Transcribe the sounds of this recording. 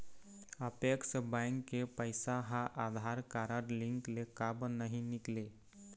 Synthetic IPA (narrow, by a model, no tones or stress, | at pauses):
əpeksbaŋkːepəjsaɦãʔad̪ʱaɾkaɾəɾliŋklekabnəɦinikle